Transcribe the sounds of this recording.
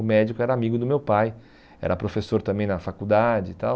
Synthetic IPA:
ʊmɛd͡ʒikʊɛɾɐamiɡʊd̪ʊmewpaj | ɛ̰ɾɐpɾofesoɾt̪ɐ̃mbẽj̃nɐfakud̪ad͡ʒɪt̪aw

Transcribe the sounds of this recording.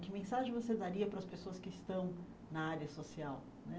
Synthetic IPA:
kɪmẽsaʒẽj̃vosed̪aɾiɐpɾɐspesoɐskɪːst̪ɐ̃w̃ | nɐaɾiɐsosiaw | nɛ

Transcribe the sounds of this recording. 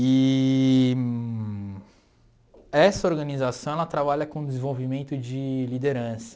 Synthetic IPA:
i | ɛsɐoɾɡɐnizasɐ̃w̃ɛlɐt̪ɾabaʎɐkõd̪ezẽvowvimẽnt̪ʊd͡ʒɪlid̪eɾɐ̃sɐ̥

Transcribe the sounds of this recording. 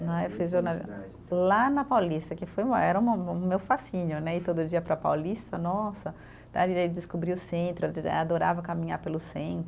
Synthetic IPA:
nɐ̃ewfiʒoɾnali | lanɐpawlist̪ɐkɪfojumɐ̰ɛɾɐũmɐ̃mewfasĩɲʊnɛɪt̪od̪ʊd͡ʒiɐpɾɐpawlist̪ɐnɔsɐ | d̪ã̰d͡ʒiid͡ʒ̪ɪskobɾiʊsẽnt̪ɾʊad̪oɾavɐkamĩɲaɾpelʊsẽnt̪ɾʊ

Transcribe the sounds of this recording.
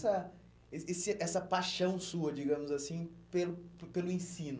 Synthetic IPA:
sɐ | eesɪʔɛsɐpajʃɐ̃w̃suɐd͡ʒiɡɐ̃mʊzasĩpelʊpelʊẽsĩnʊ

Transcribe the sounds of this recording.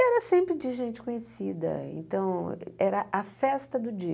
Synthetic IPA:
ɛɾɐsẽmpɾɪd͡ʒɪʒẽnt͡ʃɪ̥kõɲesid̪ɐ̰ḛ̃nt̪ɐ̃w̃ɛɾɐʔɐfɛst̪ɐd̪ʊd͡ʒi

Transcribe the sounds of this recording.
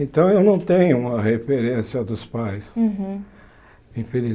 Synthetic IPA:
ẽnt̪ɐ̃w̃ewnɐ̃w̃t̪ẽɲʊũmɐhefeɾẽsiɐd̪ʊspajs | ĩfeli

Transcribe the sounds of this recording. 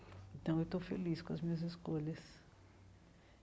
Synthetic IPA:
ẽt̪ɐ̃w̃ewt̪owfḛliskõɐzmĩɲɐziskoʎɐs

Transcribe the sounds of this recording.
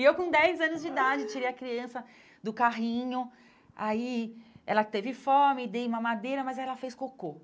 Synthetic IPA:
ewkõd̪ɛjzɐ̃nʊzd͡ʒid̪ad͡ʒɪt͡ʃiɾejɐkɾiɐ̃sɐ | d̪ʊkaɦĩɲʊ | aiɛlɐt̪evɪfõmɪd̪ejũmɐmad̪eɾɐmɐzɛlɐfejskoko

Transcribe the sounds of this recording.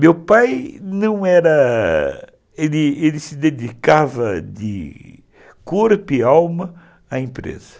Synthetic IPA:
mewpajnɐ̃w̃ɛɾɐ | elɪelɪsɪd̪ed̪ikavɐd̪ɪ̰ | kuɾpɪawmɐ | aẽmpɾḛzɐ

